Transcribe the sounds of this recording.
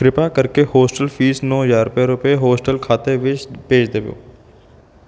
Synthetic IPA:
kɾɪpakəɾkehoːsʈəlfʰiːsnɔ̃ːjaːɾpeɾʊpeɦoːsʈəlkʰaːt̪eʋɪt͡ʃpeːt͡ʃd̪eːʋjo̰ː

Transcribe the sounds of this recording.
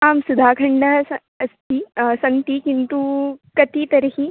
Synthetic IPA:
aːmsud̪ʱaːkʰɐɳɖɐɐ | ɐst̪ʰisɐnt̪ikint̪ukɐt̪it̪ɐɾɐɦi

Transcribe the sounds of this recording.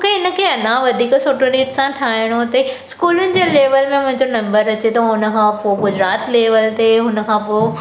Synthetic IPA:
mokeɪnə̆kʰeːɐnãʋɐd̪ʱiːksoːʈoɾiːʈsãʈʰaːɦɪɽ̃ot̪ɐskuːlʊnɪ̆d͡ʑeːleːʋəlmẽmʊ̃ɦɪ̃ɲd͡ʑonɐ̃mbəɾɐt͡ɕet̪ɐɦʊnə̆kʰãpoɡʊd͡ʑɾaːt̪leːʋəlt̪eɦʊnə̆kʰãpoo

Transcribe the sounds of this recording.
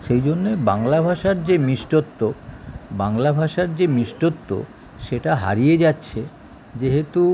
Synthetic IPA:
ʃejd͡ʑonːebaŋlabʱaʃaɾd͡ʑemiʃʈot̪ːobaŋlabʱaʃaɾd͡ʑemiʃʈot̪ːo̰ | ʃeʈaɦa̰ɾijed͡ʑatːɕʰe | d͡ʑeɦet̪u

